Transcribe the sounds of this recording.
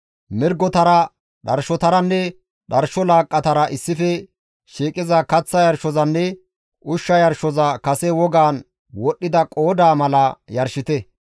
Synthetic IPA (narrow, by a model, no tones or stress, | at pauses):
mɪɾɡɔt̪ɐɾɐ | ɗɐɾʃɔt̪ɐɾɐnːɛ | ɗɐɾʃɔlaːkʼːɐt̪ɐɾɐʔɪsːɪfɛ | ʃiːkʼɪzɐkɐt͡sːɐjɐɾʃɔzɐnːɛ | ʔʊʃːɐjɐɾʃɔzɐkɐsɛwɔɡaːn | wɔɗːɪd̪ɐkʼoːd̪aːmɐlɐjɐɾʃɪt̪ɛ